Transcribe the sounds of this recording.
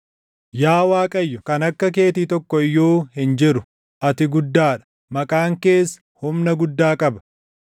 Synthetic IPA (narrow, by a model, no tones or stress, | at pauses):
jaːwaːkʼɐjːɔkɐnɐkːɐk̬e̞ːt̪iːt̪ɔkːɔɪjːoːhɪnd͡ʒɪɾʊ | ʔɐt̪ɪɡʊd̪ːaːᶑɐ̥ | mɐkʼaːŋke̞ːsɐ̥hʊmnɐɡʊd̪ːaːkʼɐbɐ̥